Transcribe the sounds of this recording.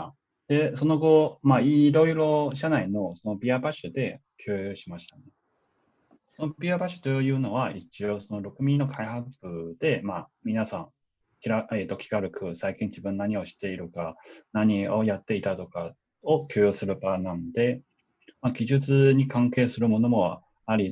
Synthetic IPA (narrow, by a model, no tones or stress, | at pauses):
d̪̥e̞so̞no̞ɡo̞maiɾo̞iɾo̞ɕanaino̞sono̞bʲiabaɕɨd̪e̞ | kʲʰoːjoɕimaɕi̥t̪an | sonobʲiabaɕɨ̥t̪ojɯ̟ːno̞βaʔit͡ɕio̞so̞no̞ɾo̞kɯ̟mʲĩnːo̞kʰaihat͡sɨ̥b̥ɯ̟d̪̥e̞mamʲinasãŋ | kʲiɾaet̪ːo̞kʲi̥kaɾɯ̟kɯ̟saikʲĩɲ̟d͡ʑibɯ̟̃nːaɲ̟io̞ɕi̥t̪e̞iɾɯ̟kanaɲ̟io̞jat̪ːe̞it̪at̪o̞ka | o̞kʲoːjosɨɾɯ̟banãnod̪e̞ | maɡʲiʑɨt͡sɨɲ̟ikãŋke̞ːsɨɾɯ̟mo̞no̞mo̞ | aɾʲi